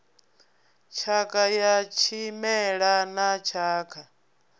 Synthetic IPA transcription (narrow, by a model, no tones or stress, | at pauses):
t͡ʃʰakʰʼajat͡ʃʰimɛɺanat͡ʃʰaːkʰa